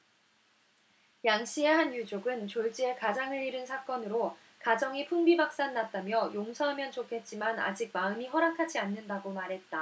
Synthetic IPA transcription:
jaŋɕ͈ʰieɦanjud͡ʑoɡɯnt͡ɕoɭt͡ɕ͈iekad͡ʑaŋɯɭiɾɯnsʰak͈ʌnɯɾo | kad͡ʑʌŋipʰuŋbibak̚s͈anːat̚t͈amjʌjoŋsʰʌɦamjʌnt͡ɕokʰe̞t̚t͡ɕ͈imana̰d͡ʑik̚maɯmiɸʌɾakʰad͡ʑianːɯndaɡomaɾɦe̞t̚t͈a

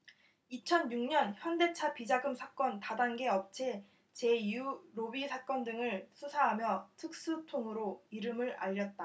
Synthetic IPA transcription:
it͡ɕʰʌnɲuŋɲʌnçjʌnde̞t͡ɕʰapid͡ʑaɡɯmsʰak͈ʌntadaŋɡe̞ʌp̚t͡ɕʰe̞ | t͡ɕe̞ijuɾobisʰak͈ʌndɯŋɯɭsʰusʰaɦamjʌtʰɯk̚s͈utʰoŋɯɾoiɾɯmɯɾa̰ʎːʌt̚t͈a

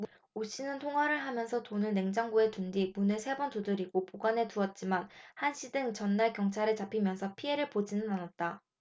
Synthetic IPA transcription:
m | oɕ͈inɯntʰoŋɦaɾɯɭɦamjʌnsʰʌtonɯnne̞ŋd͡ʑaŋɡue̞tundimunɯsʰe̞bʌntodɯɾiɡopoɡwane̞tuʌt̚t͡ɕ͈imanhanɕʰidɯŋt͡ɕʌnːaɭkjʌŋt͡ɕʰaɾɯt͡ɕapʰimjʌnsʰʌpʰie̞ɾɯɭpod͡ʑinɯnanat̚t͈a

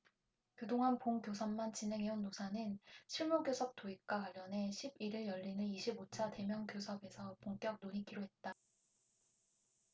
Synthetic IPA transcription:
kɯdoŋɦanpoŋkjosʰʌmːant͡ɕinɦe̞ŋɦe̞unːosʰanɯnɕʰiɭmoɡjosʰʌk̚t͈oik̚k͈wakaʎːjʌnɦe̞ɕʰibiɾɯjʌʎːinɯniɕʰibot͡ɕʰate̞mjʌŋkjosʰʌbe̞sʰʌpoŋk͈jʌk̚noɲikiɾoɦe̞t̚t͈a

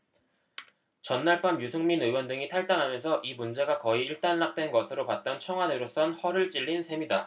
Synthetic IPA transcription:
t͡ɕʌnːaɭp͈ʰamjusʰɯŋminɯwʌndɯŋitʰaɭt͈aŋɦamjʌnsʰʌʔimund͡ʑe̞ɡakʌiːɭt͈anːak̚t͈we̞nɡʌsʰɯɾopat̚t͈ʌnt͡ɕʰʌŋɦwadɯɾos͈ʌnhʌɾɯɭt͡ɕ͈iʎːinsʰe̞mida

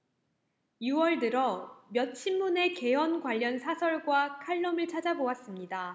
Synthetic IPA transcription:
juwʌɭdɯɾʌmjʌt̚ɕʰimːune̞ke̞wʌnɡwaʎːʌnsʰasʰʌɭɡwakʰaɭːʌmɯɭt͡ɕʰad͡ʑabowas͈ɯmɲida

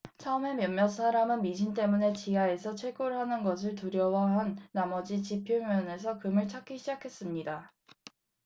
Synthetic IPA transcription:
t͡ɕʰaome̞mjʌmːjʌs͈ʰaɾamɯnmiɕʰint͈e̞mune̞t͡ɕiɦae̞sʰʌt͡ɕʰwe̞ɡoɾɯɭɦanɯnɡʌs̬ʰɯɭtuɾjʌwaɦanːamʌd͡ʑit͡ɕipʰjomjʌne̞s̬ʰʌkɯmɯɭt͡ɕʰak͈ʰːiɕʰid͡ʑakʰe̞s͈ɯmɲida

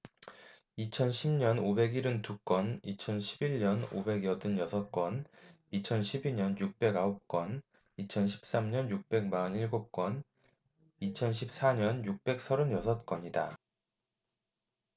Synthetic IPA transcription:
it͡ɕʰʌnɕʰimɲʌnobe̞ɡiɾɯntuk͈wʌnit͡ɕʰʌnɕʰibiɭɲʌno̰be̞ɡjʌdɯnjʌsʰʌt̚k͈wʌn | it͡ɕʰʌnɕʰibiɲʌnjuk̚p͈e̞ɡaop̚k͈wʌn | it͡ɕʰʌnɕʰi̥p̚s͈amɲʌnjuk̚p͈e̞ɡ̚maniɭɡop̚k͈wʌn | it͡ɕʰʌnɕʰip̚s͈aɲʌnjuk̚p͈e̞k̚sʰʌɾɯnjʌsʰʌt̚k͈wʌɲida

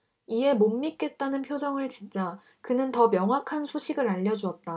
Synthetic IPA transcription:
ie̞momːik͈e̞t̚t͈anɯnpʰjod͡ʑʌŋɯɭt͡ɕint͡ɕ͈a | kɯnɯntʌmjʌŋɦwakʰansʰoɕʰiɡɯɾaʎːʌd͡ʑuʌt̚t͈a

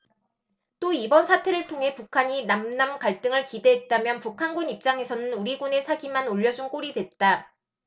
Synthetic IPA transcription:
t͈oibʌnsʰatʰe̞ɾɯɭtʰoŋɦe̞pukʰaɲinamnamkaɭt͈ɯŋɯɭkide̞ɦet̚t͈amjʌnpukʰanɡunip̚t͡ɕ͈aŋe̞sʰʌnɯnuɾiɡune̞sʰaɡimanoʎːʌd͡ʑunk͈oɾidwe̞t̚t͈a

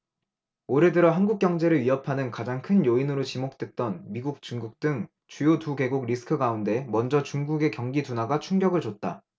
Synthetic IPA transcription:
oɾedɯɾʌɦanɡuk̚k͈jʌŋd͡ʑe̞ɾɯɭɥiʌpʰanɯnkad͡ʑaŋkʰɯnjoinɯɾot͡ɕimok̚t͈wek̚t͈ʌnmiɡuk̚t͡ɕ͈uŋɡuk̚t͈ɯŋ | t͡ɕujotuɡe̞ɡuɡɾisʰɯ̥kʰɯɡaunde̞mʌnd͡ʑʌt͡ɕuŋɡuɡe̞kjʌŋɡidunaɡat͡ɕʰuŋɡjʌɡɯɭd͡ʑot̚t͈a̰

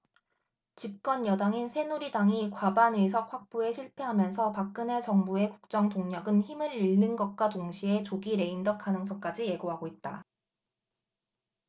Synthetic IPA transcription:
t͡ɕip̚k͈ʌnjʌdaŋinsʰe̞nuɾidaŋikwabanesʰʌk̚ɸwak̚p͈oe̞ɕʰiɭpʰe̞ɦamjʌnsʰʌpak̚k͈ɯne̞t͡ɕʌŋbue̞kuk̚t͡ɕ͈ʌŋtoŋɲʌɡɯnçimɯɭiɭːɯnɡʌt̚k͈watoŋɕʰie̞t͡ɕoɡiɾe̞indʌk̚kʰanɯŋsʰʌk͈ad͡ʑije̞ɡoɦaɡoit̚t͈a

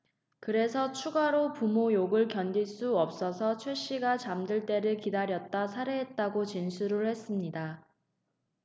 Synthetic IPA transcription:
kɯɾe̞sʰʌt͡ɕʰuɡaɾopumojoɡɯɭkjʌnd͡ʑiɭs͈uʌp̚s͈ʌsʰʌt͡ɕʰweɕ͈iɡat͡ɕamdɯɭt͈e̞ɾɯɭkidaɾjʌt̚t͈asʰaɾeɦet̚t͈aɡot͡ɕinsʰuɾɯɭhe̞s͈ɯmɲida

